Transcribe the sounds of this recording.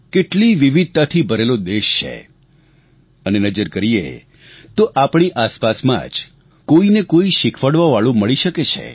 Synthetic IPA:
keʈliʋiʋid̪̚t̪at̪ʰibʱəɾelod̪eʃt͡ʃʰḛ | ənenəd͡ʒəɾkəɾijḛ | t̪oʔapɳiʔaspasmã̰d͡ʒ | koinekoiʃɪkʰʋəɽʋaʋaɭũməɭiʃəket͡ʃʰḛ

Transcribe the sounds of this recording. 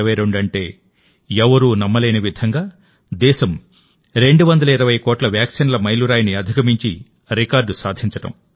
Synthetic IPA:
ʋɐjɾeɳɖɐɳʈe̞ː | ɛʋɐɾuːnɐmːɐleːnɐʋid̪ʱɐŋɡaː | d̪ɛːʃɐm | ɾe̞ɳɖuʋɐnd̪ɐlɐiɾɐʋɐjkoːʈlɐʋjaːkʂinlɐmɐjluɾaːjniɐd̪ʱikɐmiɲt͡ʃḭ | ɾikaːɾɖusaːd̪ʱiɲt͡ʃɐʈɐ̰m

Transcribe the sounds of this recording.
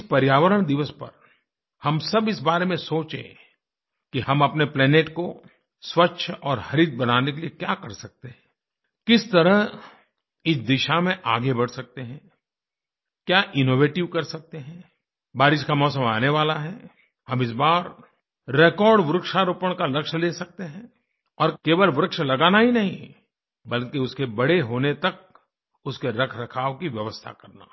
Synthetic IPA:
ɪspɐɾjaːʋəɾəɽ̃d̪ɪʋəspɐ̰ɾ | hɐmsɐbɪsbaːɾemẽsoːt͡ʃḛ | kiɦɐmɐpneplɛːneːʈko | swɐtːʃʰɔːɾhɐɾid̪̚bɐnaːnekeliekjaːkɐɾsɐk̚t̪eɦɛ̃ː | kɪst̪ɐɾəɦ | ɪsd̪ɪʃamẽʔa̰ːɡebɐɽsɐk̚t̪eɦɛ̃ː | kjaːʔɪnoːʋeːʈɪʋkɐɾsɐk̚t̪eɦɛ̃ː | baːɾɪʃkamɔːsə̃maːneʋaːlaɦɛ | hɐmɪs̬baːɾː | eːkɔːɾɖʋʊɾʊkʃaɾuːpəɽ̃kalɐkʃleːsɐk̚t̪eɦɛ̃ː | ɔːɾkeːʋəlʋɾʊkʃəlɐɡaːnaɦinɐɦĩ | bɐlkeʊskebɐɽeɦoːnet̪ɐk̚ | ʊskeɾɐkʰɾɐkʰaːʋkiʋjɐʋəst̪ʰa̰kɐɾna̰ː

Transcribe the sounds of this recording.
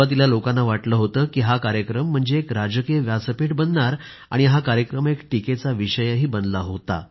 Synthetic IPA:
at̪̬ilalokãnːaʋaʈləːɦot̪əːkiːɦakaɾjəkɾəm̤ːəɳd͡zeːkɾad͡ʑəkeʋjat͡səpiʈbənd̪ɳaɾ | a̰ɽ̃iɦakaɾjəkɾəmekʈiket͡saʋiɕəjəɦiːbənlaɦot̪a̰

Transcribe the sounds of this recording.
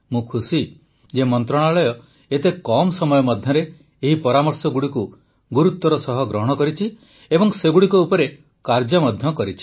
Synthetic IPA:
mũkʰusi | d͡ʒemɔnt̪ɾɔɽ̃aɭɔjɔ | et̪ekɔmɔsɔmɔjɔmɔd̪ʱjɔɾe | eɦipɔɾamɔɾsɔɡuɽiku | ɡuɾut̪ːɔɾɔsɔɦɔɡɾɔɦɔɽ̃ɔkɔɾit͡ʃʰi | ebɔŋseɡuɽikɔupɔɾe | kaɾd͡ʒɔmɔd̪ʱjɔkɔɾit͡ʃʰi̥

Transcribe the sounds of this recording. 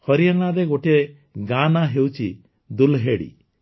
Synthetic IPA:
hɔɾijaŋaɾeɡoʈe | ɡanaɦewt͡ʃʰi | d̪ulɦeɽḭ

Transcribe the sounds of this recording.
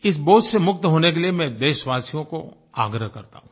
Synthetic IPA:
ɪs̬boːʊd͡ʒsemʊkt̪ɦoːnek̬eliemɛ̃d̪eːʃʋaːsijõko̰ | a̰ːɡɾəɦkɐɾt̪a̰ɦũː

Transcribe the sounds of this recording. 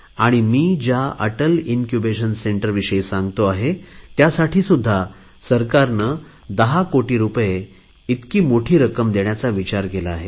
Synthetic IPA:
aɽ̃imiːd͡ʑaʔəʈəlinkjubeɕənseɳʈəɾʋiɕəisãŋɡt̪oaɦet̪jasaʈʰiːsud̪ʱːa | səɾkaɾnə | d̪əɦakoʈiːɾupje | it̪kiːmoʈʰiːɾəkəmd̪eɳjat͡saʋit͡ɕaɾkelaːɦe

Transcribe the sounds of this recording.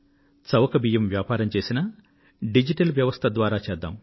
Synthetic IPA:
t͡sɐʋɐkɐbijɐmʋjaːpaːɾɐmt͡ʃe̞ːsinɐ | ɖid͡ʒiʈɐlʋjɐʋɐst̪ʰɐd̪ʋaːɾaːt͡ʃɛːd̪ːa̰ːm

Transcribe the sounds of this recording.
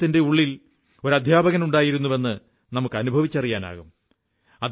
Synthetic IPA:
t̪ːinde̞uɭːil | o̞ɾɐd̪ʱjaːbɐɣɐnuɳɖaːjiɾunːuʋe̞nːɨ | nɐmukːɨɐnubʱɐʋit͡ɕːɐrijaːna̰ːɣum | ɐ

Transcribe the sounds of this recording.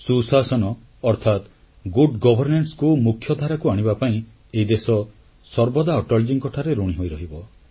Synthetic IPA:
susasɔnɔ | ɔɾt̪ʰat̪ | ɡuɖɡɔbʱɔɾneɳʈskumukʰjɔd̪ʱaɾakuaɽ̃ibapaĩ | eid̪esɔ | sɔɾbɔd̪aɔʈɔld͡ʒiŋkɔʈʰaɾeɾuɽiɦojɾɔɦibɔ

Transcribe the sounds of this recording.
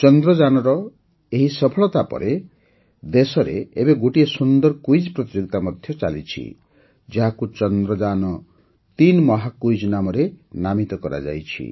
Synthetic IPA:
t͡ʃɔnd̪ɾɔd͡ʒanɔɾɔ | eɦisɔpʰɔɭɔt̪apɔ̰ɾe | d̪esɔɾḛebeɡoʈiesund̪ɔɾkujd͡ʒpɾɔt̪iɾukt̪amɔd̪ʱjɔt͡ʃalḭt͡ʃʰḭ | d͡ʒeɦakut͡ʃɔnd̪ɾɔd͡ʒanɔ | t̪inmɔɦakujd͡ʒɔnamɔɾenamit̪ɔkɔɾa̰d͡ʒa̰jt͡ʃʰḭ

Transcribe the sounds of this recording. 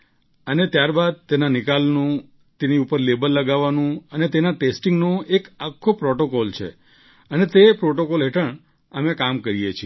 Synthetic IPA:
ənet̪jaɾbad̪̚t̪enanɪkalnũ | t̪eniupəɾlebəlːəɡaʋːanũənet̪enaʈesʈɪŋɡnoekakʰːopɾɔʈokɔlt͡ʃʰḛ | ənet̪epɾɔʈokɔlɦeʈəɳ | əmekamkəɾijet͡ʃʰie

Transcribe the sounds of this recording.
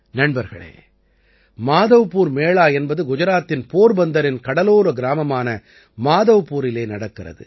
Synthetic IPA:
nɐɳbɐɾɣɐ̰ɭḛː | maːðɐʋɯpːuːɾmeːɭaːjɛnbɐðɯɡʊd͡ʒɐɾaːt̪ːɪnpoːɾbɐnd̪ɐɾɪnkɐɽɐloːɾɐɡɪɾaːmɐmaːnɐ | maːðɐʋɯpːuːɾɪleːnɐɽɐkːɪrɐ̰ðɯ̰

